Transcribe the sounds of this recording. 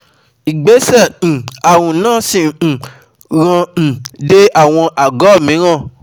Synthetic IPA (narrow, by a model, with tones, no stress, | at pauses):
i˨ɡ͡be˨˦sɛ̃˦˨a˨wũ˨nãː˦sĩ˦˨ | ɾã˧˨de˦a˦˨w̃ɔ̃˧ʔa˨ɡɔ˨˦˨mĩ˨˦ɾ̃ã˦˨